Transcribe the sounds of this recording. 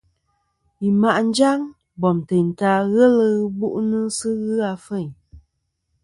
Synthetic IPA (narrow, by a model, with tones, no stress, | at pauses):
i˨ma˨ʔn̩˦d͡ʒa˦ŋ | bɔ˨mte˨n˨ta˧ɣə˦lə˧ɣɨ˦bu˦ʔnɨ˦sɨ˦ɣɨ˦a˧fə˦˨ɲ